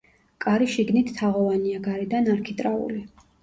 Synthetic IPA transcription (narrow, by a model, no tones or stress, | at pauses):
kʼaɾiʃiɡnit̪ʰːaʁɔvaniaɡaɾid̪anaɾkʰit̪ʼɾaṵli